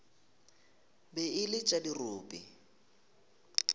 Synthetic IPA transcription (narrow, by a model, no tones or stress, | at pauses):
bɛɪlɪt͡ʃʼadiroːpʼi